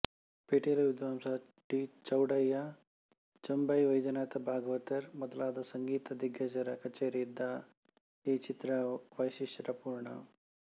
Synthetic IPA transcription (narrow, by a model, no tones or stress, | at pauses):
peʈelɐʋid̪ʋamsa | ʈit͡ʃɐwɽajːa | t͡ʃɐmbajʋɐjd͡ʒɐnat̪ɐbʱaːɡʋət̪ɐɾmɐd̪laːd̪ɐsɐŋɡiːt̪ɐd̪ʱiɡjɐd͡ʒɐɾɐkɐt͡ʃeːɾid̪ːa | ɦet͡ʃit̪ɾaʋəjɕiʂɾapuːɾɳɐ̰